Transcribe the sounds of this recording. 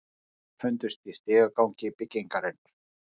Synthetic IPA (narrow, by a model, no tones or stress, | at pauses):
fʏnt̪ʏst̪ist̪ɪːɣakawɲcɪpɪcːɪŋkaɾɪn